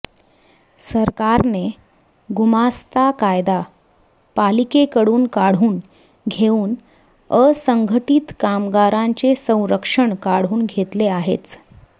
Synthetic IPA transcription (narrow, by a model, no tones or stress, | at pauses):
səɾkaɾne | ɡumast̪akajd̪a | palikekəɽuːnkaɽ̤uːn | ɡʱeuːn | əsəŋɡʱəʈiːt̪kamɡaɾaɲt͡sesə̃w̃ɾəkʂəɳkaɽ̤uːnɡʱet̪leaɦḛt͡s